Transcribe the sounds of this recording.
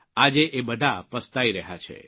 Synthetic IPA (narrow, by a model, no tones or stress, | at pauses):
ad͡ʒeʔebəd̪ʱapəst̪aiɾəɦjat͡ʃʰḛ